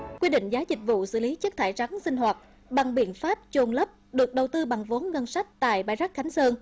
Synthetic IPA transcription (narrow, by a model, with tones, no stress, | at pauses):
kwi˧ɗḭ̈˧˨ŋ̟zaː˨˦zï˨˩k̟̚vṵ˧˨sɨ̰˧˨li˨˦t͡ɕə˦˥k̚t̪ʰaː˧˩jt͡ɕa˨˦ŋsï˧ŋ̟ɦwaː˨˩t̚ | ɓa˨˩ŋɓḭ˧˨ənfaː˦˥p̚t͡ɕo˧˩nləː˦˥p̚ɗɨ˨˩ək̚ɗə˨˩wt̪ɨ˧ɓa˨˩ŋvo˨˦nɣə˧nsa˦˥jk̟̚t̪a̰ː˧˨jɓaː˧˩jza˦˥k̚xa˨˦jŋ̟səː˧n